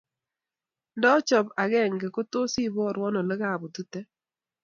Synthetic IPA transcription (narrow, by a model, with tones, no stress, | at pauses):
ndɔ˦t͡ʃɔ˨ba˨ɡɛ˦˨ŋɡe˨ko˦tʊ˦si˦˨bɔ˦˨ɾwɔ˦nɔ˨lə˦ɣa˦˨bu˨tu˦tɛ˦